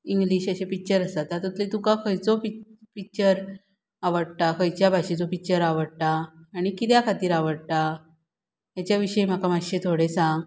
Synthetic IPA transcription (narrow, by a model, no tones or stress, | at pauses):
iŋɡliːɕəɕepik̚t͡ɕəɾəsat̪at̪ut̪lĩt̪ukãkʰəjt͡sopipik̚t͡ɕəɾ | aʋəɽʈ̪akʰəjt͡ɕjabʱaɕẽt͡sopik̚t͡ɕəɾaʋəɽʈ̪aːɽ̃ikit̪jakʰat̪iːɾaʋəɽʈ̪a | ɦjat͡ɕjaʋiɕəem̤akamaɕet̪ʰoɽesãŋɡ